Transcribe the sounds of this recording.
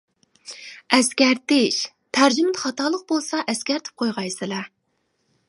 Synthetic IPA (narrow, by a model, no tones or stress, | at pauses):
ɛskʲæɾt̪ɪʃ | t̪ʰæɾd͡ʒymɪt̪χɑt̪ɑlˠəq̚bolˠsɑʔɛskʲæɾt̪ʰɪ̥p̚qʰojʁɑjsɨlɑ